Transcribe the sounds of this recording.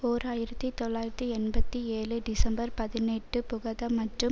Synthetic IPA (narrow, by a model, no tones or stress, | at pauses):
oːɾaːjɪɾɐt̪ːit̪ɔɭːaːjɪɾɐt̪ːiɛnbɐt̪ːieːlɯɖɪsɐmbɐɾpɐðɪnɛʈːɯpʊɣɐðɐmɐʈrɯ